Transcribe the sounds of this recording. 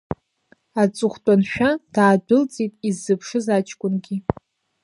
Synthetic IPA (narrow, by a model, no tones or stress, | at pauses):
at͡sʼʊχʷtʷʼanʃᶣad̥aːdʊlt͡sʼitʼizːɨpʰʂɨzat͡ʃʰʼkʷʼʊnɡʲi